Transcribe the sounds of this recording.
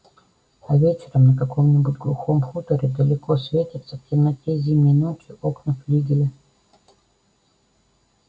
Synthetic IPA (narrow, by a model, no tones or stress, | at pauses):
ɐvʲet͡ɕɪɾəmnəkɐko̞mnʲɪbutʲɡlˠʊxomxut̪əɾʲɪd̪əlʲɪkosvʲetʲɪt̪səftʲɪmnɐtʲezʲiməjnot͡ɕɪʔoknəflʲiɡʲɪlʲɪ